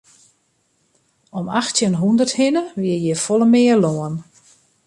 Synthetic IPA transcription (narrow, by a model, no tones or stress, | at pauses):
ɔmaxtjənɦundərthɪnəʋɪəjɛfɔlˠəmɪərloən